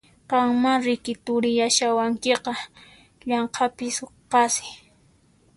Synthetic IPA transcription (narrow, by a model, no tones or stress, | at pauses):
qɑŋmaɾɪkɪt̪ʊɾɪjaʃawaŋkeqɑ | ʎɑɴqʰɑpɪsoqɑsɪ̥